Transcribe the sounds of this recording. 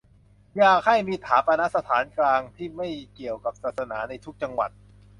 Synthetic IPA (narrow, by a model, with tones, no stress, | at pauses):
jaː˨˩k̚ha˥˩jmiː˧t̪ʰaː˩˦pa˧na˦˥sa˧t̪ʰaː˩˦nklaː˧ŋt̪ʰiː˥˩ma˥˩jki˨˩əwka˨˩p̚sːt̪̚sa˧naː˩˦na˧jt̪ʰu˦˥k̚t͡ɕa˧ŋwa̰˨˩t̪̚